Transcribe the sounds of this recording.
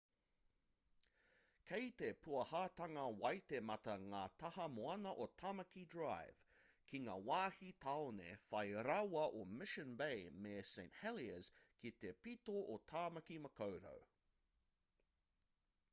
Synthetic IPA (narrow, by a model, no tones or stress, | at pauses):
kʰejt̪epʰuɐhaːt̪ɐŋɐwɐjt̪emɐt̪ɐŋaːt̪ʰɐhɐmoɐnɐʔotʰɐmɐkidɹajv̥ | kʰiŋa̰ːwaːhit̪ʰawnḛfɐjɾɐwɐʔomɪʃənbejmesẽɪ̃nthɛliəz̥kʰit̪epit̪oʔot̪ʰaːmɐkimɐkʰowɾo̰w